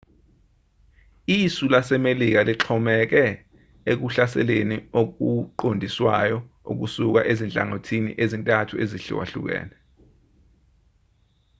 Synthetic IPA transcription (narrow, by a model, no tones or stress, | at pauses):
isulasɛmelik̬aliǁʰɔmɛk̬ɛ | ek̬uɬasɛ̰leniok̬uǃondʱiswajɔṵk̬usuk̬a̰ʔezint͡ɬʼa̰ŋotʰinḭʔezintʼatʰueziɬḭwa̰ɬṵk̬ɛ̰ːnɛ